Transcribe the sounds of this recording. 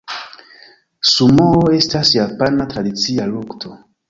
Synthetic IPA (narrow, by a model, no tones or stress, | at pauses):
sumooe̞stasjapanatɾadit͡sialuktʰo